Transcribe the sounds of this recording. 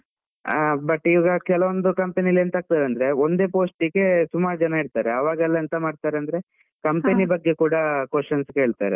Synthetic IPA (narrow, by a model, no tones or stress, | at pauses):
bɐʈːiʋɐːɡɐkɛlɐʋond̪ukɐmpenileːnt̪aːɡ̚t̪aːɾeɐnd̪ɐɾe̞ond̪e̞ːpoːsʈiɡe̞sumaːɾd͡ʒɐnɐiɽt̪aːɾeɐʋaːɡɛlːɐːnt̪ɐmaːɖt̪aːɾeɐnd̪ɐɾe̞ | kɐmpenibɐɡːe̞kuːɽɐkest͡ʃɐnskeeːɭt̪a̰ːɾḛ